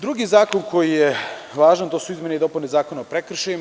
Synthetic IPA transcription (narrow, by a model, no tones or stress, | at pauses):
d̪ɾuɡiːzaːko̞nkʰo̞jijeʋaːʒant̪oːsuizme̞neid̪o̞punezaːko̞naopɾekr̩ʃejm